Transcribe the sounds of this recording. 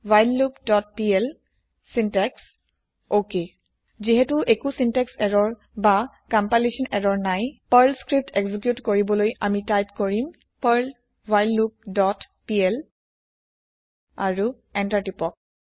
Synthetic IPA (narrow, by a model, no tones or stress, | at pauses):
wajlːukdɔt̚piɛl | sintɛks | oke | ziɦɛtuʔekusintɛksɛɹɔɹ | ba | kampalisɔnɛɹɔɹnajpaɹlskɹip̚tekzik̬jutkoɹibɔlojamitajpkoɹim | paɹl | vajlːup̚dɔt | piɛl | aɹu | ɛntatipɔk̚